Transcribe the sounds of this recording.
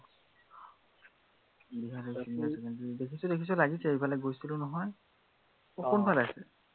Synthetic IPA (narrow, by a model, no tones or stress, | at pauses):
biɦadɛsiniasɛkandidekʰisɔdekʰis̬ɔlaɡisɛejbalaɡojsilʊnɔɦɔj | ɔxɔnbʱalasɛ